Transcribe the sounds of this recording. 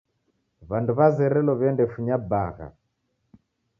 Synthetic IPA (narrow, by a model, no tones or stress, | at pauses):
βanduβazɛɾɛlɔβɛndɛfuɲabaɣa̰